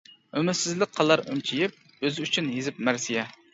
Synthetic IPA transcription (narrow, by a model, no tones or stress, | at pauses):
ømɪɾsɪzlɪk̚ʲqʰɑlˠɑɾy̰mt͡ʃʰijɪp̚ | øzɪyt͡ʃʰynɦizɪp̚mæɾsijɛ